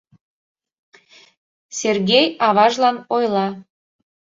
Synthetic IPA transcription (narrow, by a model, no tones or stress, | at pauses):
serɣʲejɑβɑʒlɑnojlɑ